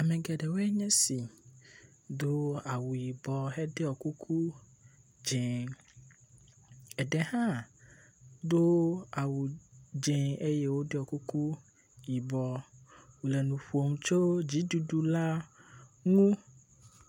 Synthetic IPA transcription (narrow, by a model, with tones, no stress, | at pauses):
a˨mɛ̃˨ɡɛ˨ɖɛ˨wo˦ɛ˦ɲɛ̃˦si˨ | d̪o˦a˨wu˨ji˨bɔ˨ɦɛ˦ɖe˦ɔ˨ku˦kʰu˦ | d͡ʒɛ̃˨ | ɛ˨ɖɛ˨hã˦ | d̪o˦a˨wu˨d͡ʒɛ̃˨e˦jɛ˦wo˦de˦ɔ˨ku˦ku˦ | ji˨bɔ˨wu˨lɛ˨nũ˨ɸu˨o˨ŋũ˨t͡ʃo˦d͡ʑi˨˦du˨ɖu˨la˦ | ŋũ˦